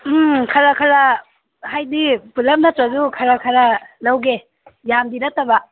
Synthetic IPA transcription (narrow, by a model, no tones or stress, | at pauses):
kʰaɾakʰaɾa | hajdipulɐp̚nɐtɾazukʰaɾakʰaɾalawɡe | jamdiɾatːaba